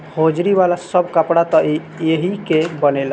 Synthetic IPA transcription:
hod͡ʒɾiʋalasəbkəpɽat̪ɔi | eɦikebənel

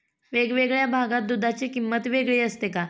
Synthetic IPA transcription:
ʋeɡʋeɡɭjabʱaɡat̪̚d̪ud̪ʱat͡sikimːət̪ʋeɡɭiːəst̪eka

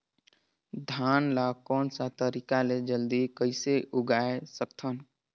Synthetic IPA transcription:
d̪ʱaːnlakɔːnsat̪əɾikaled͡ʒəld̪ikəɪseʔʊɡaesəkt̪ʰən

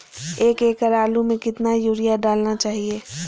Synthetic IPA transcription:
eːkeːkəɾaːlumẽkɪt̪najuːɾijaɖaːlnat͡ʃaːɦieː

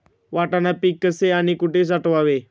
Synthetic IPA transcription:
ʋaʈãnapiːkːəseaɽ̃ikuʈʰes̬aʈʋaʋe

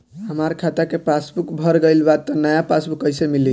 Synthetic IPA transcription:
ɦəmaɾkʰat̪akepasbukbʱəɾɡəɪlbad̪̚t̪ənəjapasbukəjsemili

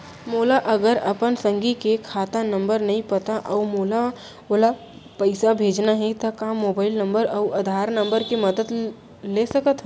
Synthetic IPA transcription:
moːlaʔɐɡəɾɐpənsə̃ŋɡikekʰaːt̪ãnə̃mbəɾnɐɦĩpɐt̪aʔɔːmoːla | ola | pəɪsabʱeːd͡ʒnaɦɛt̪ɐkaːmːoːbaːɪlnə̃mbəɾɐuʔɐd̪ʱaːɾnə̃mbəɾkimɐd̪əd̪ | lesɐkət̪ɦ

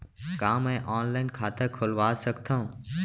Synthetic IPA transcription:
kaːmɛ̃ːʔaːnlaːɪnkʰaːt̪əkʰʊlʋaːsəɡt̪ʰã

